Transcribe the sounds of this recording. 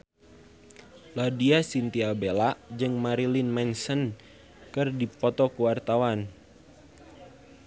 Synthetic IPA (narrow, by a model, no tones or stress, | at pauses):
ladiasint̪iabelaʔd͡ʒɨŋmaɾilinmɛnsən | kɨrdipɔt̪ɔkuwart̪awan